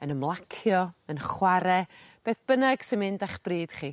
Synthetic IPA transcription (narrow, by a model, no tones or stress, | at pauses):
ənəmlˠakʰjɔənχwaɾɛb̥eːθb̥ənaɡ̥sɪnmɪndaχb̥riːd̥χiː